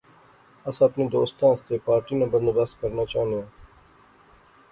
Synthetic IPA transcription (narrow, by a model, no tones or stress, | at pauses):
əsəpniːd̪o̰ːst̪ãːst̪eːpaːɾʈiːnãːbənd̪əbəskəɾnaːt͡ʃaːnijãː